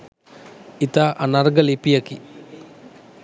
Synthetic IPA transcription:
it̪aʔɐnɐɾɡɐlipijɐki

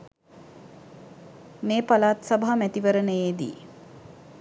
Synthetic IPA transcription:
meːpalaːt̪sabaɦamæt̪iʋəɾənəjeːd̪ḭː

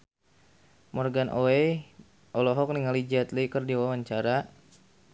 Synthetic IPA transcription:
mɔrɡanʔoɛ | ʔɔlɔɦɔk̚niŋalid͡ʒat̪lekərdiwawaɲt͡ʃaɾa

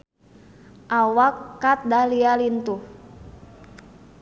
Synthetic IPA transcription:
ʔawakːat̪̚dalialint̪uh

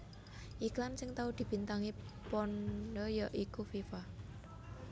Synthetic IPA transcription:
ʔiklamsɪŋt̪aud̪̥i̤b̥i̤nt̪aŋipɔnɖɔjɔʔikufifa

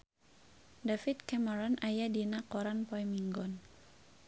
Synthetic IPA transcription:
dafit̪̚kɛmaɾɔnʔajadinakɔɾanpɔjmiŋɡɔn

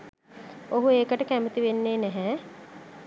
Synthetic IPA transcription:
oɦueːkəʈəkæmət̪iʋenːeːnɛɦɛ

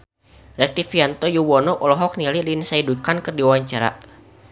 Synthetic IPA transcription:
ɾɛk̚t̪ifiant̪ɔjuwɔnɔʔɔlɔɦɔk̚nililinsaidukankərdiwawaɲt͡ʃaɾa̰

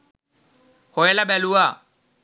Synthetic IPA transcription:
hʊɛlabɛlua

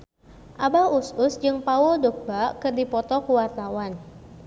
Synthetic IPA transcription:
ʔabausʊsd͡ʒɨŋpaʊldɔk̚bakɨrdipɔt̪ɔkuwart̪awan

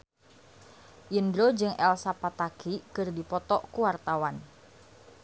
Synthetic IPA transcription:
ʔindɾod͡ʒɨŋʔɛlsapat̪akikɨrdipɔt̪ɔʔkuwart̪awan

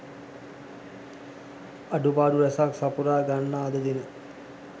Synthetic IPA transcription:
ɐɖupaːɖuɾɛsaksapuɾaːɡanːaːd̪əd̪inə

